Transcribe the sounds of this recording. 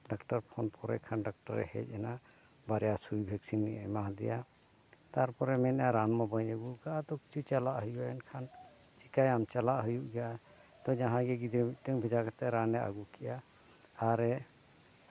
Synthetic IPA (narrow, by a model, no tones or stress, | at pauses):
ɖakʈaɾpʰɔnpʰɔɾɛkʰanɖak̚ʈaɾɛ̰hɛ̰c̚ˀɛna | baɾɛjasujbʱɛksinːiʔamaɦd̪ɛ̰ja | t̪aɾpɔɾɛmɛnaɾanmabaɲəɡulkaʔat̪ɔki̥t͡ʃʰut͡ʃalaʔɦujuaɛnkʰan | t͡ʃikajamt͡ʃalaʔɦujuʔɡaʔa | t̪ɔd͡ʒaɦãɡɛɡid̪ɛt̪ɔŋbʱɛd͡ʒakat̪aɾanɛa̰ɡukɛʔaː | ɾɛ